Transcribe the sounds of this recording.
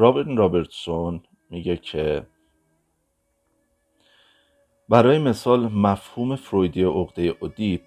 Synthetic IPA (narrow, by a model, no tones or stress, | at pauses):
ɾɒbeɾɾɒbeɾt̪son | miːɟecʰe | bæɾɒːjeme̞sɒːlmæfhuːme̞fɾojd̪ijeʔoɣd̪ejeʔod̪i